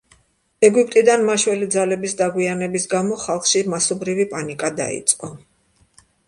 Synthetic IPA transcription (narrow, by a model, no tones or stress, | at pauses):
ɛɡipʼt̪ʼid̪anmaʃwɛlid̪zalɛbisd̪aɡwianɛbisɡamɔχalˠχʃimasɔbɾivipʼanikʼad̪a̰ḭt̪sʼqʼɔ